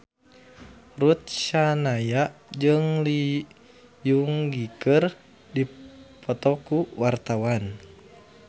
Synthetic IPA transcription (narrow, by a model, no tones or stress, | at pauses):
rut̪̚ʃanajaʔd͡ʒɨŋli | juŋɡikər | dipɔt̪ɔkuwart̪awan